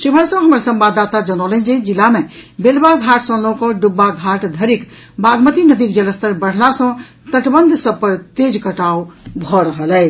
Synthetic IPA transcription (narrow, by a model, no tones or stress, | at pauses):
ʃubʱəɾsə̃ɦəməɾsəmbad̪at̪ad͡ʒənəlɛnd͡ʒɛd͡ʒilːamebelbaɡʱaʈsə̃lõwkə̃ɖubːaɡʱaʈd̪ʱəɾik | bʱaɡmət̪inəd̪ikd͡ʒələst̪əɾbəɽ̤lasə̃ | t̪əʈbənd̪ʱsəb̚pəɾt̪ed͡ʒkəʈaubʱɔɾəɦəlɛ